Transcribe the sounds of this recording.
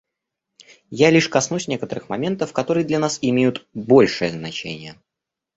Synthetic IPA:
jalʲiʂkɐsnusʲnʲe̞kət̪əɾɨxmɐmʲe̞nt̪əfkɐt̪o̞ɾɨjəd̪lʲɐnasɪmʲejʊt̪bo̞lʲʂɨjəznɐt͡ɕḛnʲɪjə

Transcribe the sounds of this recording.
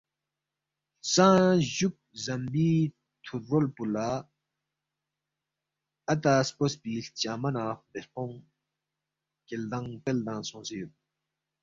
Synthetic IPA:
saʑuk̚zambiː | t̪ʰut̪̚rolpulːa | at̪aspospiɬt͡ɕamanab̪eqɔŋ | keld̪aŋpeld̪aŋsʰɔŋsejot̪̚

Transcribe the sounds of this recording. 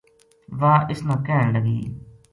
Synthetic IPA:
ʋaːʔɪsnãːkɛːɳləɡḭː

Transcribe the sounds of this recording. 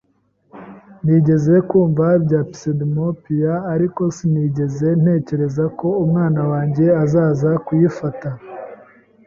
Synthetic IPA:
niːɟe̞ze̞kuːɱvabɟaːpi̥sedimopijaːɾiko̞siniːɟe̞ze̞n̥he̞ːce̞ɾe̞zako̞umŋaːnawaːɲɟe̞azaːzakujifata

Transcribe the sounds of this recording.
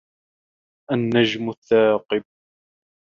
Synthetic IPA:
ʔanːad͡ʒmʊθːaːqɨb̚

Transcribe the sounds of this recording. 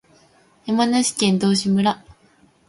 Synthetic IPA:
jamanaɕi̥kẽ̞nd̪o̞ːɕimɯ̟ɾa

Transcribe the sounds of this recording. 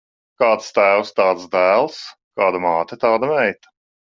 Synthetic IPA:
kɑːt̪st̪æːwst̪ɑːt̪sd̪æːlˠs | kɑːd̪amɑːt̪et̪ɑːd̪amɛjt̪ɐ̥

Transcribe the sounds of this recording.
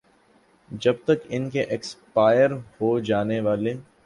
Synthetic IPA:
d͡ʒɐb̚t̪ɐkɪnkeʔɛkspaːɪjəɾhod͡ʒaːneʋaːle

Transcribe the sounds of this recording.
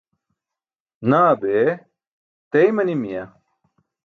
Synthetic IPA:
naːbeː | t̪ɐjmɐnimijɐ

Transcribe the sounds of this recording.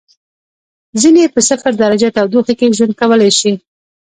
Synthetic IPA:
zinepəsafaɾd̪aɾad͡ʒat̪awd̪oxakeʒwand̪̚kawəlajʃi

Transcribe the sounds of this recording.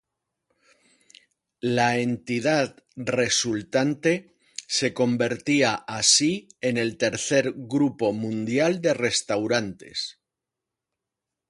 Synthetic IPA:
lae̞nt̪iðat̪ | re̞sult̪ant̪e̞ | se̞ko̞mbe̞ɾt̪iaʔasiene̞lt̪e̞ɾθe̞ɾɣɾupo̞mũnd̪jald̪e̞re̞st̪awɾant̪e̞̰s

